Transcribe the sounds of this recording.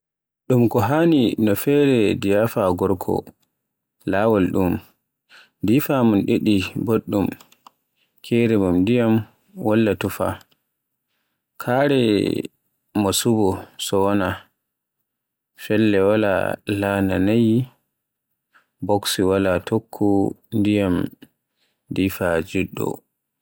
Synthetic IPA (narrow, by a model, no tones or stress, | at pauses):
ɗumkɔɦaninɔfɛɾɛdijafaɡɔɾkʰɔ̰ | laːwalɗum | difamunɗeɗiboɗːum | kʰɛɾɛmumdijam | walːatufa̰ | kʰaɾɛ | masubɔsɔwɔna | fɛlːɛwala̰lananaj | bɔksiwalatʰokʰːu | ndijam | difad͡ʒuɗːɔ̰